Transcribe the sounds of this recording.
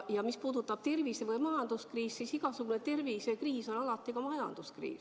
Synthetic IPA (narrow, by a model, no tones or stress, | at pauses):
jɑmispuːd̪̥ut̪ːˑɑb̥̚t̪e̞rvisevɤjmɑjɑnd̪uskriːssisiɡ̥ɑsuɡ̥unet̪e̞rviːsekriːso̞nɑlɑt̪ːˑikɑmɑjɑ̰nd̪̥uskrḭːs